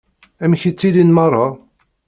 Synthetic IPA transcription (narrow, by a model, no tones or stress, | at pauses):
æmçit͡sːilinmɑrˤːɑ